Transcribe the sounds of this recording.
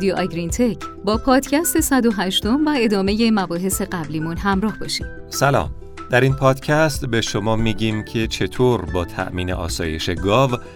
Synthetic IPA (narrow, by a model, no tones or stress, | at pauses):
d̪ijoʔɒɡɾint̪ʰecʰbɒːpʰɒːd̪̥cʰæst̪e̞sæd̪oɦæʃt̪o̞mvæe̞d̪ɒːme̞je̞mæbɒːɦe̞se̞ɢæbliːmunɦæmɾɒːhbɒʃim | sælɒ̰ːm | d̪æɾiːnpʰɒːd̪̥cʰæst̪be̞ʃo̞mɒːmiːɟiːmcʰe̞t͡ʃʰe̞t̪ʰoːɾbɒːt̪ʰæ̰ʔmiːnḛʔɒ̰ːsɒ̰ːje̞̰ʃe̞ɡɒːv